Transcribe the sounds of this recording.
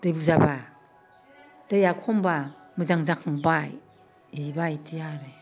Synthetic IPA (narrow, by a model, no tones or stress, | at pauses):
d̥ɯjbuzaba | d̥ajakʰɔmba | mɯzaŋzakʰaŋbaj | ibajtʰijaɾe